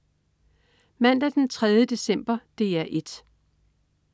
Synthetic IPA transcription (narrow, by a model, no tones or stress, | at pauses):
mæn̰d̥æd̥ent͡sʰʁað̞ˠjəd̥e̝sem̰b̥ɐd̥e̝æɐʔe̝d̥